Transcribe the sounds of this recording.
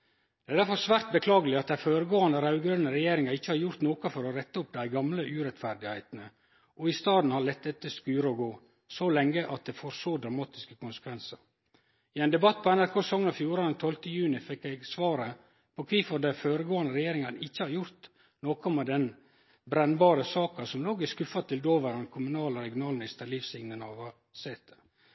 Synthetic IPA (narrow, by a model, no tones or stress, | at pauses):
d̪̥ɛæɪd̪æɾfɔɾsʋæːɾt̪̚bəkʰlɑːɡəlɪɑt̪̚d̪æɪføːɾəɡoːɑnəɾɑʉɡɾœnəɾɛjeːɾɪŋɑɾɪçːəhɑɾjʊɾt̪noːkɑfɔɾɔɾɛt̪ːəʊp̚d̪æɪɡɑmləʔʉːɾɛt̪fæɾd̪ɪhæɪt̪nə | ʔɔɪst̪ɑːd̪n̩hɑɾɭɛt̪̚d̪ɛt̪ːəskʉːɾəɔɡoː | sɔlɛŋːəʔɑt̪̚d̪ɛfoːɾsoːd̪ɾɑmɑːt̪ɪskəkʰʊnsə̥kʰʋɛnsəɾ | ɪɛɪnd̪ɛbɑt̪ːpʰɔɛnæɾkʰoːsəsɔŋːənɑfjuːɾɑnɛnt̪ʰɔlt̪əjʉːnɪfɛkːɛɡsʋɑːɾə | pʰɔkʰʋiːfɔd̪ɛɪføːɾəɡoːɑnəɾɛjeːɾɪŋɑnəɪçːəhɑɾjʊɾt̪ | noːkɔmɛd̪ɛn | bɾɛnbɑːɾəsɑːkɑsɔmloːɡɪskʉfɑt̪ʰɪld̪oːʋəɾɑnkʰʊmʉnɑːləɾɛɡɪʊnɑːlnɪst̪əlifsɪŋnənɑʋɑ | sɛt̪ə